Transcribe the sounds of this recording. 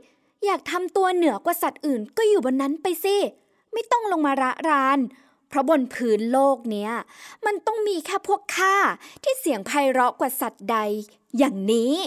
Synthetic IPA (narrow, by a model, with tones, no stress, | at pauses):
jaː˨˩k̚t̪ʰa˧mt̪u˧ɐnɯ˨˩˦ɐkwaː˨˩sa˨˩t̪̚ʔɯː˨˩nkɔː˥˩juː˨˩bɔ˧nːa˦˥npa˧jsi˧˩ | ma˥˩jt̪ɔ˥˩ŋlo˧ŋmaː˧ɾa˦˥ʔɾaː˦˥n | pʰɾɔ˦˥bo˧npʰɯː˦˥nloː˥˩k̚ni˦˥ɐma˧nt̪ɔ˥˩ŋmiː˧kʰɛː˥˩pʰu˥˩əkʰːaː˥˩t̪ʰiː˥˩si˨˩˦əŋpʰa˧jɾɔ˦˥kwa˨˩sa˨˩t̪̚da˧jː | aː˨˩ŋniː˦˥